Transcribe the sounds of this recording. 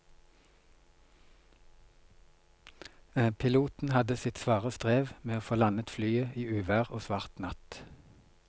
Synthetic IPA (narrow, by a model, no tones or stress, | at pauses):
pʰɪluːt̪n̩hɑd̪əsɪt̪sʋɑːʁəst̪ʁeːʋmeːoːfoːlɑnət̪flyːəʔiːʉːʋæːʁoːsʋɑːʁt̪nɑt̪